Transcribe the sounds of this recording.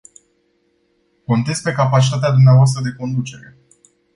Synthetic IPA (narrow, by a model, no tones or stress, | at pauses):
ko̞nt̪ezʲpe̞kapat͡ʃit̪at̪ead̪umneavoas̬t̪ɾəd̪e̞ko̞nd̪ut͡ʃe̞ɾe̞